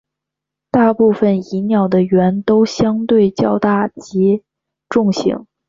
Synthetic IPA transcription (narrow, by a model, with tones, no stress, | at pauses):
t̪a˥˧pu˥˩fə˨˩ni˧˥njɑ˨˩ʊd̪ə˦ɥɛ˧˥nt̪o˥ʊɕjɑ˥ŋt̪we˥˩ɪt͡ɕjɑ˥˧ʊt̪a˥˩t͡ɕi˧˥ | ʈ͡ʂʊ˥˩ŋɕḭ˧˥ŋ